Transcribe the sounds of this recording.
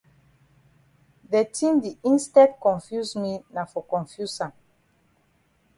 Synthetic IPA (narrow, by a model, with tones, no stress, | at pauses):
ðɛ˨tʰĩ˦mdi˨ĩ˦nstɛ˦dkɔ̃˨nfju˦smi˦na˨fɔ˨kɔ̃˨nfju˦sã˨n